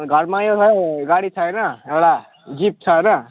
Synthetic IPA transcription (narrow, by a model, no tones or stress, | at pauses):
ɡʱʌɾmajot͡sʰʌjɡaɽit͡sʰʌjnʌewɽa | d͡zip̚t͡sʰʌnʌ